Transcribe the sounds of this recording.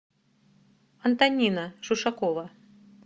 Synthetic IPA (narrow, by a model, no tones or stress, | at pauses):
ɐnt̪anʲinɐʐuʂakɔvɐ